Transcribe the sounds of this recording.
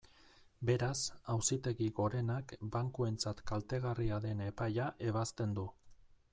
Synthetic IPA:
be̞ɾasawsit̪e̞ɣiɣo̞ɾe̞nakbaŋkue̞nt͡sat̪kalt̪e̞ɣ̞ariaðe̞ne̞pajaʔe̞β̞ast̪e̞nd̪u

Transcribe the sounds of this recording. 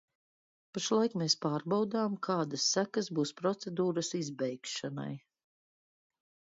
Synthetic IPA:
paʃlˠajkmespaːɾbawd̪aːmkʰaːd̪asːækasbuːspɾɔt̪sɛd̪uːɾəsizbɛjkʃana̰j

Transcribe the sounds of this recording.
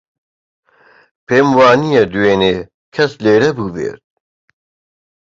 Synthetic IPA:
pʰeːmwɑːnijɛd̪uweːneː | kʰɐsleːɾɛbuːbḛːɾt̪̚

